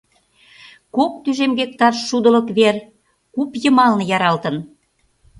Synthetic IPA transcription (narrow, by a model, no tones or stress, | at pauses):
kok̚t̪yʒemɡek̚t̪ɑrʃʃud̪ə̆lə̆kβer | kupjə̆mɑlnɤ̆jɑɾɑlt̪ə̆n